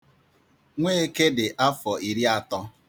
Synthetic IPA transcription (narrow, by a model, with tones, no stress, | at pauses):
ŋʷeː˦e˦ke˦dɪ˨ʔa˦fɔ˨ʔi˨ɾi˦a˦tɔ˦